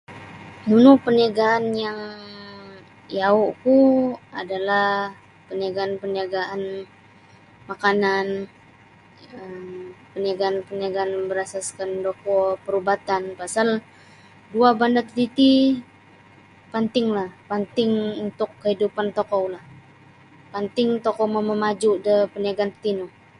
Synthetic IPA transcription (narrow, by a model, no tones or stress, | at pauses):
nunʊpəniaɡaːnjaŋ | jauʔkuadalah | pəniaɡaːnpəniaɡaʔan | makanan | əmpənaɡaːnpəniaɡaːnbəɾasaskandokɔpəɾubat̪anpasal | duabandat̪ət̪it̪i | pant̪ɪŋlahpant̪ɪŋunt̪ʊkːəhidupant̪okɔwlah | pant̪ɪŋt̪okɔmaməmad͡ʒudəpəniaɡant̪ino